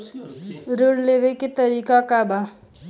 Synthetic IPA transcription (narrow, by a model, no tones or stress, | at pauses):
ɾuɽleʋekit̪əɾiːkakaba